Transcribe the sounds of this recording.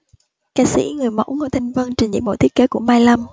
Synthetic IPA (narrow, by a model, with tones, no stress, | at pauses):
kaː˧sḭ˧˥ŋɨ˨˩əjmə̰˧˥wŋo˧˩jt̪ʰi˧ŋ̟və˧nt͡ɕï˨˩ŋzḭ˧˨mɓo̰˧˨t̪ʰəke˨˦ku˧˩əmaː˧jla˧m